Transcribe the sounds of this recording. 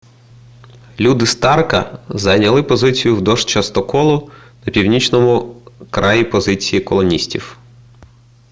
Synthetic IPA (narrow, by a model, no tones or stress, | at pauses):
lʲud̪ɪst̪ɑrkɐ̰zɐnʲɐlˠɪpɔzɪt͡sʲijʊwd̪ɔʃt͡ʃɐst̪ɔkɔlˠʊnɐpʲiwnʲit͡ʃnɔmʊkɾɑjipɔzɪt͡sʲijikɔlˠɔnʲisʲtʲiw